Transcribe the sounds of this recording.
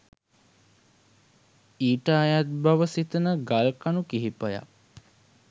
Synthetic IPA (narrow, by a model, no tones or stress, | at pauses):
iːʈaːjat̪̚baʋəsit̪ənəɡalkanukiɦipəja̰